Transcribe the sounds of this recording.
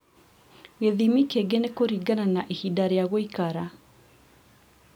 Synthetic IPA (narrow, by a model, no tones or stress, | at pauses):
ɣeðimikeɡenekoɾiɡananaʔehidaɾejaɣoikaɾa